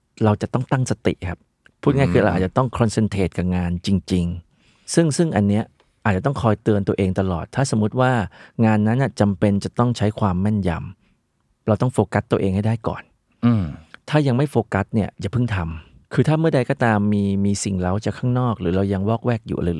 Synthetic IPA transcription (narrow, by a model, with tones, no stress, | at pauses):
ɾa˧wt͡ɕa˨˩t̪ɔ˥˩ŋt̪a˥˩ŋsa˧t̪ḭ˨˩ʔkʰa˦˥p̚ʰː | uː˥˩ŋaː˥˩jkʰɯː˧ɾa˧wʔaː˨˩t̚t͡ɕa˨˩t̪ɔ˥˩ŋkʰɾɔ˧nse˧nt̪ʰeː˨˩t̪̚ka˨˩ŋaː˧nt͡ɕi˧ŋt͡ɕi˧ŋ | sɯ˥˩ŋsɯ˥˩ŋʔa˧nːi˦˥ɐ | ʔaː˨˩t̪̚t͡ɕa˨˩t̪ɔ˥˩ŋkʰɔː˧jt̪ɯ˧ənt̪u˧əʔeː˧ŋt̪a˧lɔ̰ː˨˩t̪ʰːaː˥˩so˨˩˦mu˦˥t̪̚waː˥˩ŋaː˧nːa˦˥nːa˨˩t͡ɕa˧mpe˧nt͡ɕa˨˩t̪ɔ˥˩ŋt͡ɕʰa˦˥jkʰwaː˧mːɛ˥˩nja̰˧m | ɾa˧wt̪ɔ˥˩ŋfoː˧ka˦˥t̪ːu˧ʔeː˧ŋha˥˩jdaː˥˩jkɔ̰ː˨˩nː˧ | t̪ʰaː˥˩ja˧ŋma˥˩jfoː˧ka˦˥t̪̚ni˥˩ɐt͡ɕa˨˩pʰɯ˥˩ŋt̪ʰa˧mkʰɯː˧t̪ʰaː˥˩mɯ˥˩ɐda˧jkɔː˥˩t̪aː˧mːiː˧miː˧si˨˩ŋɾa˧wt͡ɕa˨˩kʰːaː˥˩ŋnɔː˥˩k̚ɾɯː˩˦ɾa˧wja˧ŋwɔː˥˩k̚wɛː˥˩k̚jṵː˨ʔa˧lɯː˧l